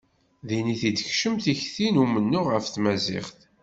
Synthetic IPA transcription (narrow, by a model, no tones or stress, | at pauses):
ðiniθid̪əçʃəmθiçθinumənːʊʁəfθmæzɪ̰χθ